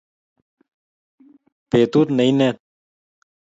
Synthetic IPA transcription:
peːt̪uːt̪nɐineːt̪̚

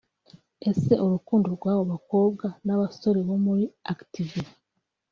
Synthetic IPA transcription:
e̞se̞ʔoɾukuːndoɾɡwaːβoβako̞ːb̚ɡanaβaso̞ɾe̞βo̞muɾiaktivi

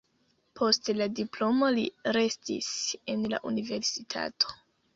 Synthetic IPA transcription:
pʰo̞stladiplo̞mo̞liɾe̞stḭse̞nla̰ʔunive̞ɾsitʰa̰tʰo̞̥

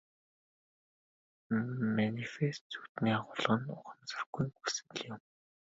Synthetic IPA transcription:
manifest̪t͡sut̪niːaʁʊɮʁə̆nʊχə̆mt͡sə̆rɡ̥ujusɘ̆ŋ̆ɮjʊm

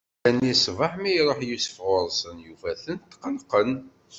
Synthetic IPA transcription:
ænisvəħmijɾˤoħjusə̥fʁʊɾˤsənjufæθənt̪ːqəlqən

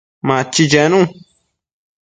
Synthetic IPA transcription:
mãt͡ʃid͡ʒɛnũ

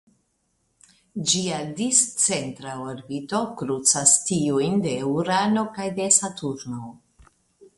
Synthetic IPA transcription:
d͡ʒiadist͡se̞ntɾaoɾbito̞kɾut͡sastiujnde̞uɾano̞kajde̞satuɾno

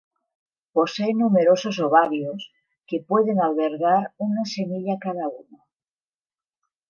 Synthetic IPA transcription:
po̞seenːumeɾo̞sosoβaβjos | ke̞pwe̞ðenalβeɾɣaɾunase̞miʎakaðauno

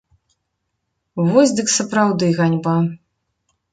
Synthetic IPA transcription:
vɔsʲd̪ɨksɐpɾawd̪ɨɣanʲba

